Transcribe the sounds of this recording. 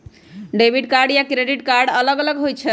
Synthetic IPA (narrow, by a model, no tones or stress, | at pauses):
ɖebʱiɖkaɾɖjakɾeɖiʈkaɾɖələɡələɡɦojt͡ʃʰɛ